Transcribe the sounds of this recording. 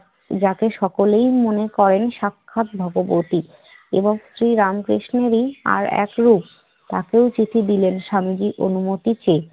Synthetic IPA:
d͡ʑakeʃɔkolejmonekɔɾenʃakʰːat̪̚bʱɔɡobot̪i | ḛboŋsɾiɾamkɾiʃneɾia̰ɾɛ̰kɾup | t̪akeot͡ɕit̪ʰid̪ilenʃamid͡ʑiʔonumot̪it͡ɕe

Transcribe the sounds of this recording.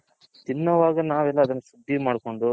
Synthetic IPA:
t̪inːɐʋaːɡɐnaːʋɛlːɐːd̪ɐnːɐsud̪ʱːimaːɽko̞ɳɖu

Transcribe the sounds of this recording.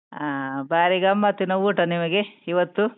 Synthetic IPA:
abaːɾiɡɐmːɐt̪ːinɐuːʈɐnimɐɡe̞iʋɐt̪ːu

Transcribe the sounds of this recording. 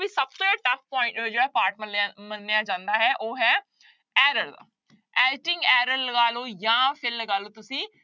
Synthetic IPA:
iːsəb̚t̪õːɛʈəfpɔ̃ːɪ̃ɳʈd͡ʒeːɽaːpaːɾʈməmənːɪjaːd͡ʒãːnd̪aːɦɛːʔoːɦɛː | ɛːɾəla̰ː | ɛːʈɪŋɡɛːɾəɾləɡaːloːjãːpʰɪɾləɡaːloːt̪ʊsĩː

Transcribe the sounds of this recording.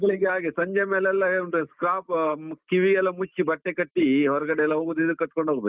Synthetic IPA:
ɡɐɭiɡeaːɡisɐɲd͡ʒɐmɛlːɛlːɐneskɾaːpkiʋiɛlːɐmut͡ʃːibɐʈːekɐʈːiɦɔɾɐɡɐɽɛɛlːɐɦoːɡud̪id̪kɐʈ̚ːkoɳɖoːɡbe

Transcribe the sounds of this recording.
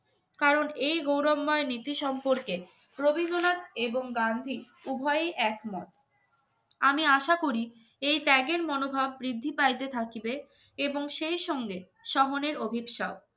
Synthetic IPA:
kaɾonejɡowɾɔmːɔenit̪iʃɔmpoɾke | pɾobiɡ̪onat̪eboŋɡand̪ʱi | ubʱɔeeʔɛkmɔt̪ | amiaʃakoɾi | ejt̪ɛɡeɾmɔnobʱabːɾid̪ʱːipajd̪et̪ʰakibe | eboŋʃejʃɔŋɡe | ʃɔɦoneɾobʱibʃao

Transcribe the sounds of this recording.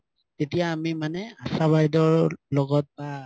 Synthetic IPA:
tetijaːmimanɛasabajdɔɹlɔɡɔt̚ba

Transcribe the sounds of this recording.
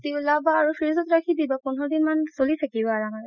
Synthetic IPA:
tilabaːɹufiɹzɔtɹakʰidibapunɦɔd̪inmansolit̪ʰakibɔaɹama

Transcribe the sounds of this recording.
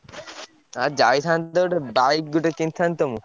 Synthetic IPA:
ad͡ʑajt̪ʰand̪oʈebajp̚ɡuʈekint̪ʰːant̪omu

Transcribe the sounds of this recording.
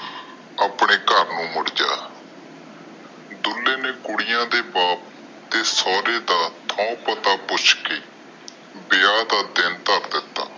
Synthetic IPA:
aːpɳeːkəɾnũːmʊɽd͡ʒaː | d̪ʊlːeːneːkʊɽɪjãːd̪eːbaːp̚ | t̪eːsɔːɾeːd̪aːt̪ʰɔ̃ːpət̪aːpʊt͡ʃʰkeː | bɪjaːd̪aːd̪ɪnt̪əɾd̪ɪt̪ːa̰ː

